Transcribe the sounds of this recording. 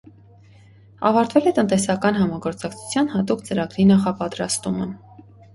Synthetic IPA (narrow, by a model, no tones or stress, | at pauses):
ɑ̰vɑɾt̪vɛlɛt̪ənt̪ɛsɑkɑnɦɑmɑɡɔɾt͡sɑkt͡sʰu̥t͡sʰjɑnhɑt̪ukt͡səɾɑɡɾinɑχɑpɑt̪ɾɑst̪umə